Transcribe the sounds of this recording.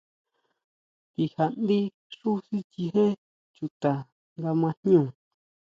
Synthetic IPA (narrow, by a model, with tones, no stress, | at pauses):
t̪i˧ha˧˨nd̪i˦ | ʂu˦si˦t͡ʃi˧hẽ˦ | t͡ʃu˧t̪a˨ | ŋɡa˧mã˧nɲ˦ũ˦˨